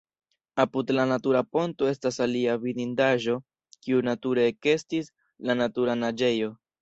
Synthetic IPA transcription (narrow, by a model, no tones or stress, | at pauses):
apudlanatuɾapo̞nto̞e̞stasaliavinindaʒo̞ | kiunatuɾe̞ke̞stis | lanatuɾanad͡ʒe̞jo̞